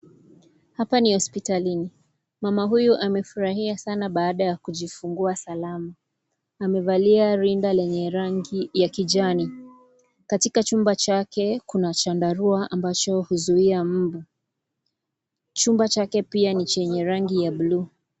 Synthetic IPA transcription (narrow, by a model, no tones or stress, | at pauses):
hapanihɔspitalini | mamaɦujuʔamɛfuɾaɦiasanaɓaːɗajakuʄifuŋɡuasalamaː | mɛvaliaɾindalɛɲɛɾaŋɡijakiʄani | katikat͡ʃumbat͡ʃakɛkunat͡ʃandaɾuaʔambat͡ʃɔhuzuiam̩bu | t͡ʃumbat͡ʃakɛpianit͡ʃɛɲɛɾaŋɡijaɓluː